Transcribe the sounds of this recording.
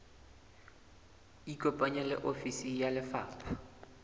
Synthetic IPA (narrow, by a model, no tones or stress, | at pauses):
ikʼopʼaɲɛlɪ̰ʔofisijalɪfaːpʰḁ